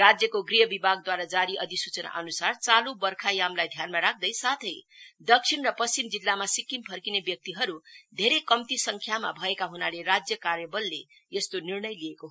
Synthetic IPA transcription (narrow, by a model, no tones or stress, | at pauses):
rad͡zjʌkoɡrijʌbibʱaɡd̪waɾad͡zaɾiʔʌd̪isut͡sʌna̰ʔʌnusart͡salubʌrkʰajamlajd̪ʱjanmaɾak̚ʰd̪ʌjsat̪ʰʌjd̪ʌk̚ʂʰinrʌpʌst͡simd͡zilːamasikːimpʰʌrkinebjʌk̚t̪iɦʌɾud̪ʱeɾejkʌmt̪isʌŋkʰjama̰bʱʌekaɦunaleɾad͡zjʌkaɾjʌbʌlːe | jest̪onirnʌjliekoɦ